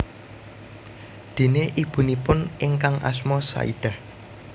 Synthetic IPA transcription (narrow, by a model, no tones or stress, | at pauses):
d̪̥e̤neʔib̥ṳnipʊnʔɪŋkaŋʔa̰smɔsa̰ḭd̪̥a̤h